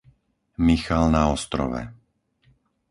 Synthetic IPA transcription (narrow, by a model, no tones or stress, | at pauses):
mixalnaɔst̪ɾɔ̰ʋɛ̰